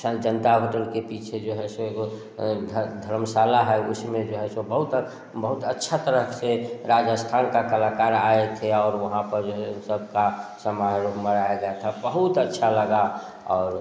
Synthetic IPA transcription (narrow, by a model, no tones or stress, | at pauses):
d͡ʒənt̪abʱəʈəlkepit͡ʃʰed͡ʒeɦɛsõeɡo | d̪ʱd̪ʱəɾmsalaɦɛjṵsmed͡ʒeɦɛsobəɦut̪ | bəɦut̪ətːʃʰat̪əɾəkseɾad͡ʒəst̪ʰankakəlakaɾaet̪ʰeɔːɾʋəɦãpəɾd͡ʒeɦsəb̚ʱkasəmaɦɾupməɾaeɡat̪ʰabəɦut̪ətːʃʰaləɡa | ɔ̰ːɾ